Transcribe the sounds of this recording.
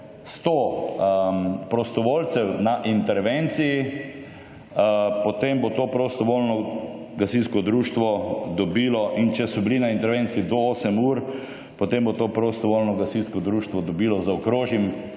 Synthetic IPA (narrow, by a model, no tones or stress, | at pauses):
st̪o | pɾɔst̪ɔʋoːlsɛwnaʔint̪ɛɾʋent̪siji | pɔt̪embot̪oːpɾost̪ɔʋoːlnɔ | ɡasinskɔd̪ɾuːʃt̪ʋɔd̪ɔbiːlɔʔint͡ʃɛsɔbilinaint̪ɛɾʋent̪siid̪ɔoːsɛmuːɾ | pɔt̪embot̪oːpɾost̪ɔʋoːlnɔɡasinskɔd̪ɾuːʃt̪ʋɔd̪ɔbiːlɔzaɔkɾoːʒjim